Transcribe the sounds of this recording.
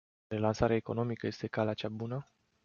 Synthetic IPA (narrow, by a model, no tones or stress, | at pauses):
ɾe̞lansaɾeaeko̞̰no̞mikəje̞st̪e̞kalat͡ʃabunə